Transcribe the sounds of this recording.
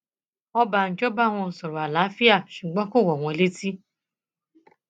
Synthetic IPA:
ɔ˦ba˨n̩˨t͡ʃo˦ba˦˨ŋ̃ʷɔ̃˧˨sɔ˨ɾo˨a˨la˨˦fi˦a˦˨ʃu˨ɡ͡bɔ̃˦ko˦˨wɔ˨w̃ʷɔ̃˧˦le˦ti˦

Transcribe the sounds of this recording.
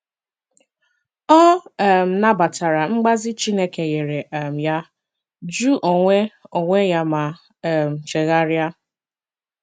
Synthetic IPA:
ɔ˦˨m̩˨na˦ba˨ta˨ɾa˨ŋ͡m̩˦ɡ͡ba˦zɪ˦t͡ʃi˦ne˦ke˨je˨ɾe˨ʔm̩˨ja˦ | d͡ʒu˦ʔo˨ŋʷe˦o˨ŋʷe˦ja˦ma˨ | m̩˨t͡ʃe˨ɣa˦ɾja˦

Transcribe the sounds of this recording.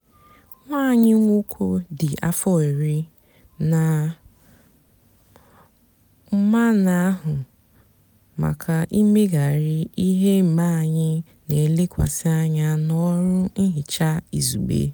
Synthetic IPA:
ŋʷaː˦˨ɲɪ˦ŋʷo˦kʷʰo˦dɪ˨ʔa̰˦fɔ˦e˨ɾi˦ | na˨ | m̩˦ma˦na˨a˦ɦʊ˨ | ma̰˨kʰa˨ʔi˦me˦ɡa˨ɾɪ˦i˦ɦe˦m̩˨ma˦˨ɲɪ˦ | ne˨le˦kʷa̰˨sɪ˦a˦ɲa˦nɔ˦ɾʊ˦n̩˦ɦɪ˨t͡ʃa˦ḭ˨zṵ˨ɡ͡bḛ˦

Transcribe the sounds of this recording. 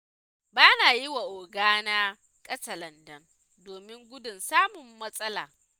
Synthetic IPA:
baː˦naː˨jɪ˦wa˨ʔoː˨ɡaː˦naː˦ | kʼɐ˦sɐ˨lɐ˨ndɐ˦n | doː˨mɪ˦ŋɡʷʊ˦dʊ˨nsaː˦mʊ˨mːɐ˦sʼɐ˦la̰ː˨

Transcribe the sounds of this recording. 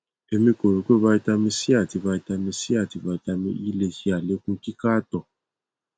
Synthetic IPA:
e˦mĩ˦ko˨ɾo˨˦kʷe˦βa˦i˦ta˦mi˦si˦a˦˨ti˨βa˧i˦ta˧mi˧si˦a˦˨ti˨ba˨˧i˦ta˧mḭ˦i˦le˦t͡ʃi˦a˨le˦kũ˦ki˦ka˦tɔ˨

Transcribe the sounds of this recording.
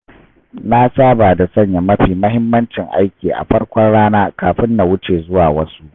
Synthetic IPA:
na˦saː˦baː˨da˨sɐ˦˨ɲja˨mɐ˦ɸiː˨mɐ˦ɦɪ˦mːɐ˦nt͡ʃɪ˨ŋʔa˦jkʲiː˨ʔa̰˨ɸɐ˦ɽkʷɔ˦nɽaː˦naː˦kaː˨ɸɪ˦nːa˨wʊ˦t͡ʃeː˨zʊ˦waː˨wɐ˦su˦ʔ

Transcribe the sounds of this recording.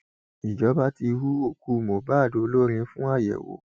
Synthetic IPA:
i˨d͡ʒɔ˨˦ba˦ti˧hu˦o˦˨ku˦mo˨ba˦˨do˨o˧lo˦ɾ̃ĩ˧˦fũ˦a˦˨jɛ̰˨wo̰˨˦

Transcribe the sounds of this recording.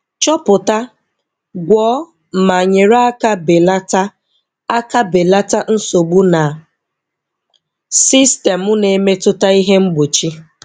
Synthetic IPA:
t͡ʃɔ˦pʊ˨ta˦ | ɡʷɔː˨˦˨ | ma˨ɲe˨ɾa˦a˦ka˦be˨la˦ta˦ | a˦ka˦be˨la˦ta˦n̩˦so˨ɡ͡bu˦na˨ | si˦ste˨mʊ˦ne˨˦me˦tʊ˦ta˦i˦ɦe˦ŋ͡m̩˦ɡ͡bo˨t͡ʃi˦

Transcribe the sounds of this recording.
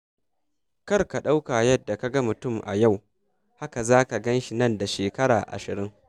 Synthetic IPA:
kɐ˦rka˨ɗa˦wka˨jɐ˦dːa˨ka˦ɡɐ˦mʊ˨tʊ˦˨mʔa̰˨ja˦˨w | ha˦ka˨zaː˦ka˨ɡɐ˦nʃi˨nɐ˦˨nda˨ʃeː˨kɐ˦ɽa̰ː˨ʔa̰˨ʃɪ˨ɾɪ˦ŋ

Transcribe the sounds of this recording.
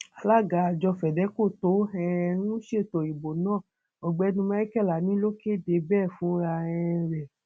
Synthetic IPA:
a˨˧la˦˨ɡa˨˦a˨d͡ʒɔ˧fɛ˨dɛ˨˦ko˦˨to˨˦ɛ˦˧nũ˦ʃe˦˨to˨i˨bo˨nãː˦˨ | o˨ɡ͡bɛ˨˧nũ˧ma˧˦i˦kɛ˦˨la˨nĩ˨˦lo˦ke˦˨de˨˧˦bɛː˦˨fũ˨˦ɾa˧ɛ̃˧ɾɛ˨

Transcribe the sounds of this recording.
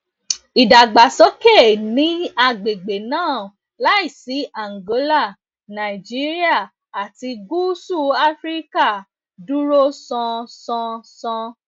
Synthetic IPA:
i˨da˨ɡ͡ba˨sɔ˦kɛ˦˨nĩ˨˦a˧ɡ͡be˨ɡ͡be˨nãː˦˨ | la˦i˦˨si˨˦a˨ŋ̩˨ɡo˨˦la˦˨ | nã˨i˨d͡ʒi˨˦ɾi˦a˦˨ | a˨ti˧ɡu˦su˦˨a˦fɾi˦ka˦˨ | du˦ɾo˦sɔ̃˧sɔ̃˧sɔ̃˧

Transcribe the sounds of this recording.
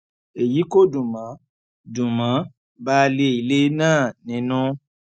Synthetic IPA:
e˨ji˨˦ko˦˨dũ˨mã˨˦ | dũ˨mã˨˦ | ba˦˧le˧˦i˨le˦nãː˦˨nĩ˨˧˦nũ˦

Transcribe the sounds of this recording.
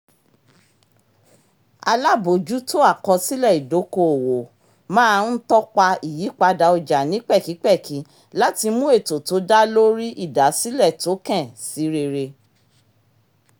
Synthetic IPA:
a̰˧la˦bo˨d͡ʒu˦to˦a˦˨kɔ˧si˦lɛ˦˨i˨do˨˦ko˧o˨wo˨ | mãː˦˧˦nn̩˦tɔ˦k͡pa˧i˦˨ji˨˦k͡pa˧da˧o˧d͡ʒa˨nĩ˨˦k͡pɛ˦˨ki˨˦k͡pɛ˦˨kʰi˨˦ | la˦ti˧mũ˦e˦˨to˨to˨˦da˦lo˦ɾi˦ʔi˦˨da˨˦si˦lɛ˦˨to˨˦kɛ̃˦˨si˨˦ɾe˧ɾe˧

